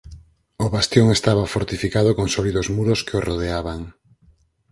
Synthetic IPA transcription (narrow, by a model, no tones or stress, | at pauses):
oβast̪joŋest̪aβafoɾt̪ifikaðokoŋsoliðozmuɾoskeoroð̞eaβaŋ